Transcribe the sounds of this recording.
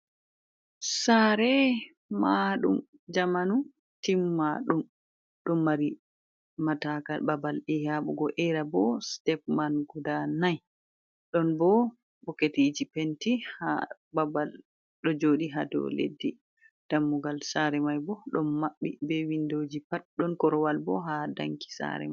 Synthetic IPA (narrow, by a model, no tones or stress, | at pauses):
saɾɛ | maɗṵm | d͡ʒamanu | timːaɗum | ɗɔmːaɾi | matakababalɛhaɓɔ̰ɡɔʔɛɾabɔstɛpmanɡudanaj | ɗɔnbɔ | bɔketid͡ʒipentiha | babal | ɗɔd͡ʒoːɗiɦa̰dɔ̰lḛdːi | d̥amːuɡalsaɾɛmajbɔɗɔnmaɓːibɛwindod͡ʒipat̚ɗɔnkɔɾɔwalbɔ̰ɦada̰ŋki̥sa̰ɾɛ̰maj